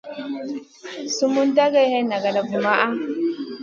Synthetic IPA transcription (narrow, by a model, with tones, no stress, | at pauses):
su˦mu˦n˦ta˦ɣe˦he˦na˨ɡa˨la˨vu˨ma˦ʔa˦